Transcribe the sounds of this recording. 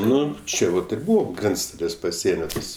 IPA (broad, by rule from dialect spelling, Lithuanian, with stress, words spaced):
ˈnʊ ˈt͡ʃʲɛ ʋɐt ɪr ˈbuːʋoː ˈɡrʲɛnt͡stɐlʲeːs pɐˈsʲiɛnʲoː ˈtɐs